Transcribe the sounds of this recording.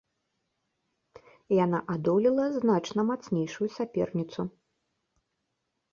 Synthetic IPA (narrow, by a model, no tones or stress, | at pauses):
janaʔad̪ɔlʲilˠɐznat͡ʂnɐmat̪snʲejʂujusʲapʲɛrnʲit̪su